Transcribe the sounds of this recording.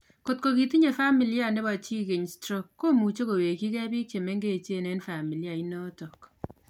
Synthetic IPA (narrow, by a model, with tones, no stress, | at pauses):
ko˨t̚ko˨ki˨ti˦ɲe˨fa˦mi˨lja˦˨ne˦ba˨t͡ʃi˦ke˨ɲstɾo˦kːo˦mu˨t͡ʃo˦ko˨we˨ki˦kɛ˦bi˦k̚t͡ʃe˨me˦ŋɡe˦˨t͡ʃe˦˨nɛ˦nfa˨mi˨li˦a˨i˦nɔ˦tɔ˨k